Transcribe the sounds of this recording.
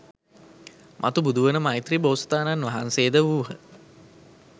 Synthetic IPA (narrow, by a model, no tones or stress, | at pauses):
mʔa̰t̪ubud̪uʋənəmajt̪riboːst̪aːnanʋaɦanseːd̪əʋuːɦə